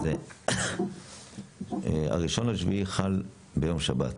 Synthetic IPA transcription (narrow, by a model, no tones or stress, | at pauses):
ze | a̰ʁiʃo̞naʃviiχal | bejo̞mʃabat